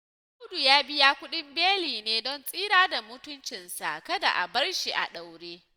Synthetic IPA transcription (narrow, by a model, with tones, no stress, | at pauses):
ʊ˦du˨jaː˦bɪ˦jaː˦kʷʊ˦ɗɪ˦mbeː˦liː˨neː˦dɔ˦˨nsʼiː˦ɾaː˦da˨mʊ˦tʊ˦nt͡ʃɪ˨nsa̰˨kɐ˦da̰˨ʔa̰˨bɐ˦rʃi˨ʔa̰˨ɗa˨wɽeː˦